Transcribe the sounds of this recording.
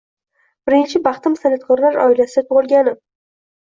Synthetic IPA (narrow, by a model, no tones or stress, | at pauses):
b̥ɪɾɪnt͡ʃʰɪbɑχt̪ɪmsanat̪̚kʰɒɾlaɾɒ̰ɪlasɪd̪at̪ʰoʁɨlˠɡʲanɪ